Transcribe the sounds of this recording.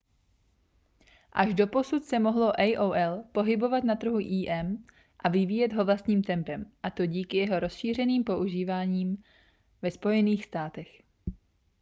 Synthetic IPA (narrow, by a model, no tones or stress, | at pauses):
ʔaʒdo̞po̞sut̪sɛmo̞ɦlo̞ʔɛjʔowʔɛlpo̞ɦɪbo̞vat̪nat̪r̩ɦuʔiːʔɛm | ʔavɪviːjɛd̪ɦo̞vlast̪ɲiːmt̪ɛmpɛmʔat̪o̞ɟiːkɪjɛɦo̞ɾo̞sʃiːr̝ɛniːmpo̞ʔuʒiːvaːɲiːm | vɛspo̞jɛniːxst̪aːt̪ɛx